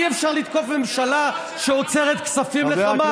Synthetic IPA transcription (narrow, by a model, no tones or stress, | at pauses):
iefʃaʁlit̪ko̞fme̞mʃala | ʃeot͡seʁet̪ksafimleama